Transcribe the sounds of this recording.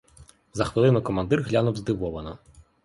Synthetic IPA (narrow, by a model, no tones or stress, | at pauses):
zɐxʋɪlˠɪnʊkɔmɐnd̪ɪrɦlʲanʊwzd̪ɪʋɔʋɐnɐ